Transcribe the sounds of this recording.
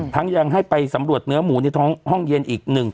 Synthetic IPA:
t̪ʰa˦˥ŋja˧ŋɦa˥˩jpa˧jsa˩˦mɾu˨˩ət̪̚nɯ˦˥ɐmuː˩˦na˧jt̪ʰɔː˦˥ŋhɔ˥˩ŋje˧nʔiː˨˩k̚nɯ˨˩ŋ

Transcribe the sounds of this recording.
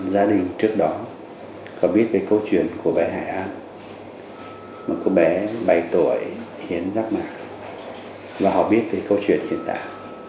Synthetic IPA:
zaː˧ɗï˨˩ŋ̟t͡ɕɨ˦˥ək̚ɗɔ˨˦ | kɔ˨˦ɓi˦˥ət̚veː˨˩jkə˧wt͡ɕwḭ˧˨ənku˧˩əɓɛ˨˦ɦa̰ː˧˩jʔaː˧n | ma˨˩kɔ˧˦ɓɛ˨˦ɓa˨˩jt̪u˧˩əj | hi˨˦ənzaː˦˥k̚maː˧˨˩k̚ | vaː˨˩ɦɔ̰˧˨ɓi˦˥ət̚veː˨˩jkə˧wt͡ɕwḭ˧˨ənhḭ˧˨ənt̪a̰ː˧˨j

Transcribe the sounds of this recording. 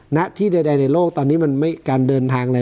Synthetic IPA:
na˦˥ʔt̪ʰiː˥˩da˧˩jda˧jna˧jloː˥˩k̚t̪ɔː˧nːiː˦˥ma˧nma˥˩jkaː˧ndɤː˧nt̪ʰaː˧ŋla˧

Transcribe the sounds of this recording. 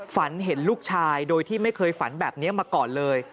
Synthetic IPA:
fa˩˦nɦe˩˦nluː˥˩k̚t͡ɕʰaː˧jdoː˧jt̪ʰiː˥˩ma˥˩jkʰɤː˧jfa˩˦nbɛː˨˩p̚ni˦˥ɐmaː˧kɔː˨˩nlɤː˧j

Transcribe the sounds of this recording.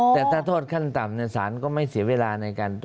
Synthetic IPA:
t̪ɛː˨˩t̪ʰaː˥˩t̪ʰoː˥˩t̪̚kʰa˥˩nt̪a˨˩mni˥˩ɐsaː˩˦nkɔː˥˩ma˥˩jsi˩˦ɐweː˧laː˧na˧jkaː˧nt̪

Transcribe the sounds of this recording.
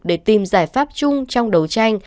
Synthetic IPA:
ɗe˧˩t̪i˨˩mzaː˧˩jfaː˦˥p̚t͡ɕʊ˧ŋ͡mt͡ɕɔ˧wŋ͡mɗə˨˦wt͡ɕa˧jŋ̟

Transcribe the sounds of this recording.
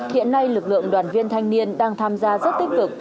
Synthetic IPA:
hḭ˧˨ənːa˧jlɨ˨˩k̚lɨ̰˧˨əŋɗwaː˨˩nvi˧ənt̪ʰa˧jŋ̟ni˧ənɗaː˧ŋt̪ʰaː˧mzaː˧zə˦˥t̚t̪ï˦˥k̟̚t̪ɨ˨˩k̚

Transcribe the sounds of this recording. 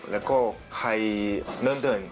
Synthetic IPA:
lɛ˧˥˩wkɔː˥˩ | kʰa˧jnɤː˧˥˨nt̪ʰɤː˧˩˨n

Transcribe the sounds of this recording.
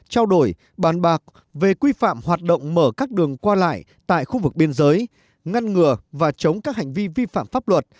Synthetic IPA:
t͡ɕaː˧wɗo˧˩j | ɓaː˨˩nɓaː˨˩k̚ | ve˨˩kwi˧fa̰ː˧˨mhwaː˨˩t̚ɗə̰˧˨wŋ͡mməː˧˩kaː˦˥k̚ɗɨ˨˩əŋkwaː˧la̰ː˧˨j | t̪a̰ː˧˨jxu˧vɨ˨˩k̚ɓi˧ənzəː˨˦j | ŋa˧nŋɨ˨˩əvaː˨˩t͡ɕə˨˦wŋ͡mkaː˦˥k̚ha˨˩ŋ̟vi˧vi˧fa̰ː˧˨mfaː˦˥p̚lwə˨˩t̚

